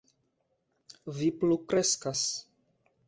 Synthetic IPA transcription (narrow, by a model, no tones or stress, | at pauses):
viplukɾe̞skas